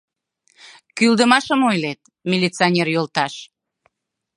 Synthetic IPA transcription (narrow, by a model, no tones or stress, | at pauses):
kyld̪əmɑʃəmojlet̪̚ | mʲilʲit͡sionʲerjolt̪ɑʃ